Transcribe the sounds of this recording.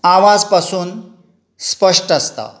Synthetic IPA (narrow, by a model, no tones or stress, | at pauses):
aʋad͡zpasuːn | spəʂʈəst̪a̰